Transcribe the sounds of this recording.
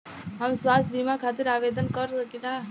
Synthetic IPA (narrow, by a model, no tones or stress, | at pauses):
ɦəmswast̪̚ʰbimakʰat̪iɾabed̪ənkəɾsəkila